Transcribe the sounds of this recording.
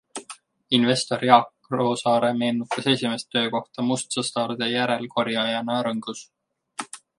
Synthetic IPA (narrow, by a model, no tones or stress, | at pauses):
inve̞st̪o̞rjɑk | ro̞ːsɑːɾe̞me̞ːnut̪ːˑɑse̞sʲime̞st̪ːø̞ːko̞ht̪ɑmust̪sɑst̪ɑːrd̪e̞jæɾe̞lko̞ɾjɑjɑnɑɾɤŋɡ̥us